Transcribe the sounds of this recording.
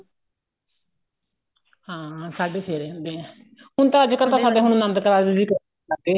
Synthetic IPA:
hãːsaːɖeːsʰeːɾẽnd̪e | ɦʊɳt̪ãːəd͡ʒkəɾt̪ãːsaːɖeːɦʊɳ̃ũːnənd̪kəɾaːid͡ʒiːkəɾ | ad̪eː

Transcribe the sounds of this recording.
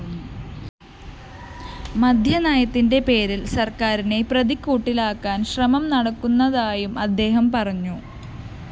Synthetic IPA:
mɐd̪ʱjɐnaːjɐt̪ːinde̞pe̞ːɾilsɐrkaːɾine̞prɐðikːuːʈːilaːkːaːnɕrɐmɐmnɐɽɐkːunːɐðaːjumɐd̪ːe̞ːɦɐmpɐrɐɲːu

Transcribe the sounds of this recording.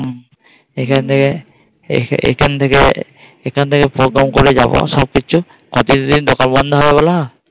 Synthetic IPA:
ɛkʰant̪ʰekɛ | ɛ̰kʰantʰekɛ | ɛkʰantʰekɛpɹɔɡɹamkɔɹɛzabɔ̰sɔb̚kit͡ʃʰu | kɔtizɔdidɔkalmɔnd̪ʱaɦɔjabala

